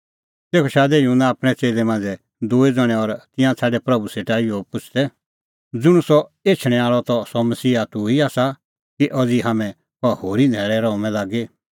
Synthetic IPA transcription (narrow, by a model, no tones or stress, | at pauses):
t̪eːkʰɔʃaːd̪ɛjunaːpɽ̃ɛt͡seːlɛmãːnd͡zɛ | d̪uːed͡zɔɽ̃ɛ̃ɔɾt̪ɪ̃jãt͡sʰaːɖɛpɾɐbuseʈaːijopʊt͡ʃʰd̪ɛ | d͡zʊɽ̃usɔeːt͡ʃʰɽ̃ɛ̃aːɭɔt̪ɔsɔmɐsiːat̪uiaːsa | kiʔɔd͡ziɦaːmɛ̃ | pɔhoːɾind̪ʱɛːɭɛɾɔũmɛ̃laːɡe